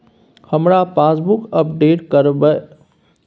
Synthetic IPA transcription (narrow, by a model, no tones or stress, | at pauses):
həmɾapaːsbukəpɖeːʈkəɾbə